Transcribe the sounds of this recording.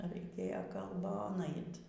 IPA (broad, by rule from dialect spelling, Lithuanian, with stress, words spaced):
rɐɪˈkʲeːjoː kɐlˠˈboːn ˈɐɪt